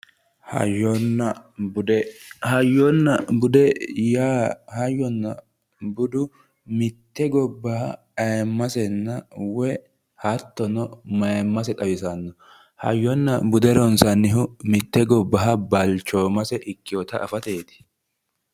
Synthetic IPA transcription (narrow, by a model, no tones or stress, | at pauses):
hnːɐ | hɐjɔnːɐbʊd̪ɛjaːhɐjːɔnːɐ | bʊd̪ʊ | mɪt̪ːɛɡɔbːɐhɐ | ɐjmːɐsɛnːɐwɛ | hɐt̪ːɔnɔmɐjmːɐsɛt̪ʼɐwɪsɐnːɔ | hɐ̰jːɔnːɐbʊd̪ɛɾɔnsɐnːɪɦʊmɪt̪ːɛɡɔbːɐɦɐbɐlt͡ʃːoːmɐsɛʔɪkːɪjɔt̪ɐʔɐfɐt̪e̞ːt̪ɪ̥